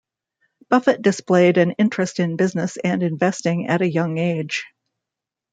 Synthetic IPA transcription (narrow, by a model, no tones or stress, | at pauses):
b̥ʌfɨt̚d̥ɨspleɪɾɨ̃nɪ̃nt͡ʃɹ̥ɨstɨ̃nbɪznɨsɨ̃nɨ̃ɱvɛstɪ̃ŋɨɾɨjʌ̃ŋeɪd̥ʒ̥